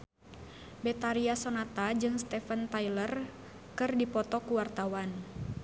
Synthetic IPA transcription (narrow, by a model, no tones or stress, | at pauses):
bɛt̪aɾiasɔnat̪ad͡ʒɨŋst̪ɛfənt̪ajlər | kɨrdipɔt̪ɔkuwart̪awan